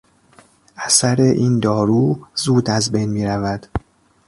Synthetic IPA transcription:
ʔæsæɾe̞ʔiːnd̪ɒːɾuːzuːd̪æzbejnmiːɾævæd̪̥

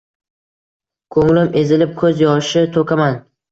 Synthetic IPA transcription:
kʰɵŋlɪmʔe̞zɪlɪp̚kʰɵzjɒʃɪt̪ʰokʲʰaman

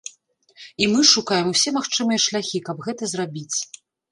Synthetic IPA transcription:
imɨʂukajɛmusʲɛmaxt͡ʂɨmɨjɐʂlʲaxʲikɐbɣɛt̪ɐzrabʲit͡sʲ

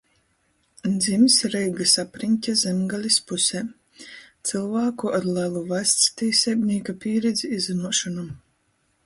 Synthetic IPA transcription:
d̪zimsɾɛjɡasapɾinʲtʲazʲɛmɡalʲispusʲɛː | t̪sɨlˠvaːkuʔaɾlʲælˠuvast̪st̪isʲɛbʲnʲiːkapʲiːɾɛd̪zʲiizinuɔʃɔnam

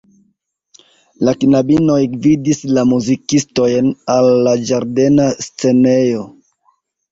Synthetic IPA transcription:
lakinabino̞jvidislamuzikisto̞jnalːad͡ʒaɾde̞nast͡se̞ne̞jo̞

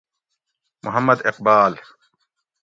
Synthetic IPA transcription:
mʔʊɦɐmːɐd̪ɪq̚baːl

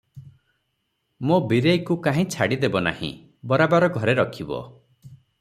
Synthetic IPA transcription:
mobiɾejkukaɦĩt͡ʃʰaɽid̪ebɔna̰hḭ̃ | bɔɾabaɾɔɡʱɔɾeɾɔkʰibɔ̰

